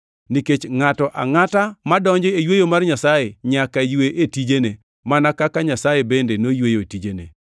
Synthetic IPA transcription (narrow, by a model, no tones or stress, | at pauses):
niket͡ʃŋatɔʔa̰ŋatamadɔɲd͡ʒɔejwejomarɲasajeɲakajweʔetid͡ʒene | manakakaɲasajebendenojwejoetid͡ʒenḛ